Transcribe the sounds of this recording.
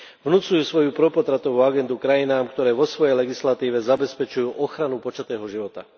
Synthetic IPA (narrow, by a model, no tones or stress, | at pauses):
ʋnut͡sujuːsʋɔjupɾɔpɔt̪ɾat̪ɔʋuːaɡɛnd̪ukɾajinaːmkt̪ɔɾɛːʋɔsʋɔjɛjlɛɡislat̪iːʋɛzabɛspɛt͡ʃujuːʔɔxɾanupɔt͡ʃat̪ɛːɦɔʒiʋɔt̪a̰